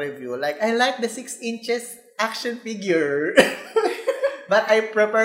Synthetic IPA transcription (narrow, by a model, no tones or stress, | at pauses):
ɪvjulajkajlajk̚d̪ɐsɪksɪ̃nt͡ʃɛs | ʔakʃɔ̃nfiɡjʊɹ | bɐt̪ajpɹɛpɛ